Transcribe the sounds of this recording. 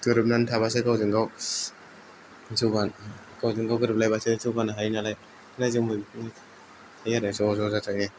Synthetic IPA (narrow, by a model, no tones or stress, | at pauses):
tɯɾɯp̚nantʰabasɯkawzɯŋɡaw | sɯɡan | kawzɯŋɡawɡɯɾɯp̚lajbasɯzɯwɡanaɦajnalaj | najzɯŋmɯ | hajaɾasɔzɔzatakne